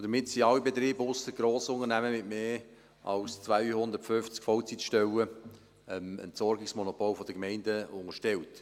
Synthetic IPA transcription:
d̥əɾmɪtsiɑlːibet̪ɾiːbəʊsəɡɾoːsʊŋənæməmɪtmeː | ʔɑ̰lst͡svaɪhʊnd̪əɾtfʏft͡skfɔlt͡sitʃtɛwə | ɛmə̰ntsɔɾɡɪksmɔnɔpʰoːlfɔd̥əkmɛɪndəʊŋəʃtɛwt

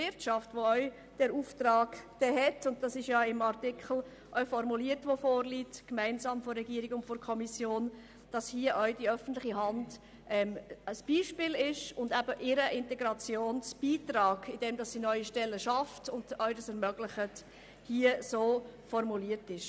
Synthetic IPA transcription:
vɪɾtʃɑftʋoœʏ | d̥ɛɾuːftɾɑːɡd̥ɛɦɛtʊnt̚d̥ɑsɪʃjɑɪmɑɾtɪkχl̩ | ʔœʏfɔɾmuliəɾtʋofoːɾlitkmæɪnzɑːmfɔrːɛɡiəɾɪiɡʊntfɔɾkʰɔmisjoːn | d̥ɑshiəʔœʏdiœfən̩tlɪχiɦɑnd | ʔɛməsb̥iːʃpɪːlɪʃʊndæbəʔɪɾəʔɪntɛɡɾɑt͡sjoːnsb̥iːtɾɑːɡɪd̥ɛmdɑsːinœʏiʃtɛlːəʃɑftʊnd̥œʏdɑsɛɾmœɡ̥lɪχət | hiəsoːfɔɾmuliəɾtɪʃ

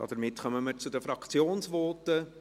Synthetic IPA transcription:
ɑ̰d̥əɾmɪtχœməməɾt͡sudəfɾɑkt͡sjoːnsvɔːtə

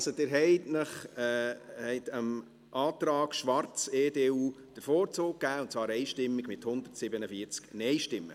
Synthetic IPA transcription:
sod̥̪ɪːɾɦɛɪtnəχ | hɛɪt̪əm | ʔɑːtɾɑːɡ̥ʃʋɑrt͡seːdeːuː | d̥əɾfɔoːɾt͡soːk̚kːæːʊntt͡svɑːɾɛɪʃtɪmːɪɡmɪthʊnd̪ə̥tsɪbənəfiəɾt͡sknɛɪʃtɪmːə̰

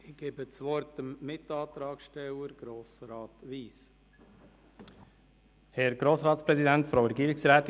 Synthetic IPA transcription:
ɪɡ̥eːbət͡sʋɔɾtəmːɪt̪ɑːt̪ɾɑːkʃtɛwəɾɡ̥ɾoːsɾɑːtʋiːs | hɛɾɡɾoːsʁɑːt̪spɾɛsidæntfɾowɾɛɡiːɾɪksɾæːt̪

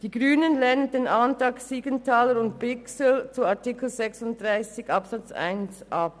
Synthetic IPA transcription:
d̥iːɡʁyːnənlɛnəndeːnʔantʁɑːksiːɡəntʰaːləɾʊntpɪksəlt͡suaɐtikl̩zɛksʊnt̚d̥ʁaɪsɪçɑpsat͡sa̰ɪnsʔɑp̚

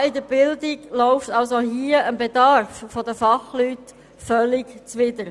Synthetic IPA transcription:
ɪd̪əbɪld̪ɪɡloʊft̪ɑls̬oɦiəənbed̪ɑɾffɔd̪əfɑχlyːt | fœlːɪɡt͡sʋɪd̪əɾ

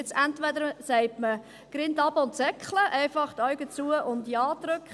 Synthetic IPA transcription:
ɪt͡sæntʋɛd̪əɾsɛɪtmə | ɡ̥ɾɪntɑbəʊntsɛkχləʔɛɪfɑχt̪œɥɡət͡suəʔʊntjɑːdɾʉkχ

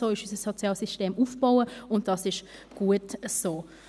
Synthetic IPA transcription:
oːɪʃysəsɔt͡sjɑːlsysteːmuːfb̥oʊəʊnt̚d̥ɑsɪʃɡ̥uətəsoː

